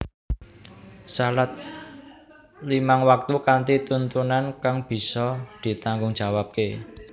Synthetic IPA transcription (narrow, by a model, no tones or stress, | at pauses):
salat̪̚ | limaŋwak̚t̪ukant̪it̪unt̪unankaŋb̥i̤sɔd̪̥i̤t̪aŋɡʊŋd̥ʒ̥a̤wap̚ke